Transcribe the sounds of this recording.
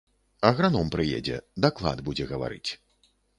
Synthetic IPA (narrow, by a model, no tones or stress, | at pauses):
ɐɣɾanɔmpɾɨjḛd͡zʲɛ̰d̪aklˠa̰d̪bud͡zʲɛɣɐva̰ɾɨ̰t͡sʲ